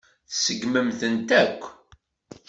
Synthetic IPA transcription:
θsəɡməmθənt̪ækʷː

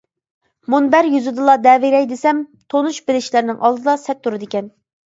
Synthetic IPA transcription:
munbæɾjyzɨd̪ɨlˠɑd̪ɛviɾɛjd̪esɛmt̪ʰonuʃbɪlɪʃlæɾnɪŋʔɑlˠd̪ɨd̪ɑsɛt̪ːuɾɨd̪ɪkʲɛn

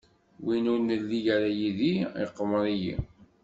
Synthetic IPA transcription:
winunəlːijaɾajiðiḭqːəmɾˤijḭ

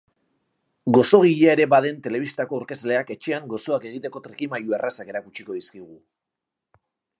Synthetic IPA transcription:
ɡo̞so̞ɣ̞iʎaeɾe̞baðe̞nt̪e̞le̞βist̪ako̞uɾke̞zle̞ake̞t͡ʃe̞aŋɡo̞so̞ake̞ɣ̞it̪e̞ko̞t̪ɾikimajuerasake̞ɾakut͡ʃiko̞ðiskiɣ̞u

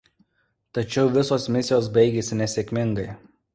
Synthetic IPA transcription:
t̪ɐt͡ʃʲɛʊʋʲɪsoːsmʲɪsʲɪjoːsbɐɪɡʲeːsʲɪnʲɛsʲeːkʲmʲɪŋɡɐɪ

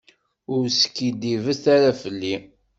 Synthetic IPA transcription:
ʊɾsə̥kːid̪ivəθaɾafəlːi

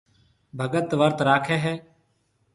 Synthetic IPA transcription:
bʱəɡət̪ʋəɾt̪ɾaːkʰɛːɦɛː

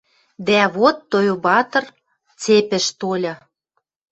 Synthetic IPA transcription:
d̪æβot̪ːojobɑt̪ɤ̆r | t͡sepɘ̆ʃt̪olʲɤ̆

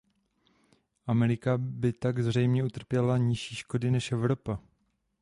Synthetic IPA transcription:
ʔamɛɾɪkabɪt̪aɡzr̝ɛjmɲɛut̪r̩pjɛlaɲɪʃiːʃko̞dɪnɛʃʔɛvɾo̞pa

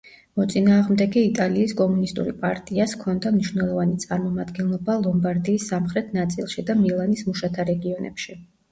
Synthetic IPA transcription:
mɔt̪sʼinaːʁmd̪ɛɡɛit̪ʼaliːskʼɔmunist̪ʼṵɾipʼaɾt̪ʼiaskʰɔnd̪amniʃwnɛlˠɔvanit̪sʼaɾmɔmad̪ɡɛnlˠɔbalˠɔmbaɾd̪iːsːamχɾɛt̪ʰnat̪sʼilˠʃid̪amilˠanismuʃat̪ʰaɾɛɡiɔnʔɛ̰pʃi

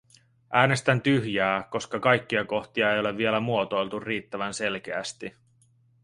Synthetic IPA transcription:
ʔæːne̞st̪ænt̪yhjæːko̞skɑkɑjk̟ːiɑko̞xt̪iɑe̞jo̞le̞vːie̞læmuo̞t̪o̞jlt̪urːiːt̪ːæʋænse̞lk̟e̞æst̪i

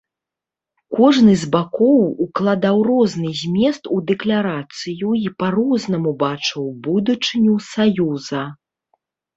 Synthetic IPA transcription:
kɔʐnɨzʲbakɔwuklˠad̪awrɔznɨzʲmʲɛst̪ud̪ɛklʲaɾat̪sɨjuipaɾɔzn̪ɐmubat͡ʂɨwbud̪ut͡ʂɨnʲusajuzɐ

